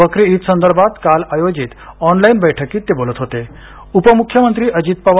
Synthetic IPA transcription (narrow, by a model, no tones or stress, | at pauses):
əkɾeit̪sənd̪əɾbʱat̪kalajod͡ʑiːt̪ɔnlainbəjʈʰəkiːt̪ːebolət̪ɦot̪e | upəmukʰjəmənt̪ɾiːʔəd͡ʑit̪̚paʋ